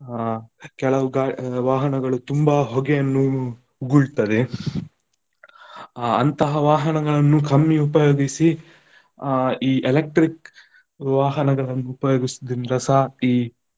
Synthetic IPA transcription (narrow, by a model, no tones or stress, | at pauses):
kɛɭɐʋuɡaːʋaːɦɐnɐɡɐɭut̪umbɐɦoɡejɐnːu | uɡuɭt̪ɐd̪e | ɐnt̪ɐɦɐʋaːɦɐnɐɡɐɭɐnːukʰɐmːiupɐjoːɡisi | iːʔelek̚ʈɾik | ʋaːɦɐnɐɡɐɭɐnːuːpɐjoːɡisud̪inɾɐsaiː